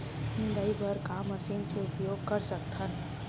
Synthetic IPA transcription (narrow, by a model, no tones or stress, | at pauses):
nid̪ɐibəɾkaːmɐsinkʰeʊpjoːɡ̚kɐɾsɐk̚t̪ɐn